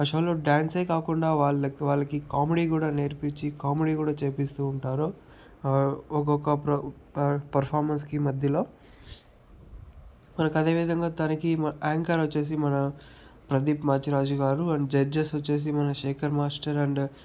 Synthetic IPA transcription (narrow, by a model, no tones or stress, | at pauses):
ɐʃɐːloːɖjaːnsejkaːkuɳɖaːʋaːɭɐʋaːɭːɐkikaːmeɖiːkuːɽaːne̞ːɾpiɲt͡ʃikaːmeɽiːkuːɽaːt͡ʃeːpist̪uːɳʈaːɾoː | ɔk̬ɔkɐpɾɐ | pɐɾpʰaːɾmɐnskimɐd̪ʱjɐlo̞ː | mɐnɐkɐd̪e̞ːʋid̪ʱɐŋɡaːt̪ɐnɐkimaːŋkɐɾɐt͡ʃːeːs̬imɐnɐ | pɾɐd̪ipmaːt͡ʃiɾaːd͡ʒuɡaːɾuɐd͡ʒɐd͡ʒɐsɐt͡ʃːe̞ːs̬imɐnɐʃeːkʰɐɾmaːsʈɐɾɐɳɖ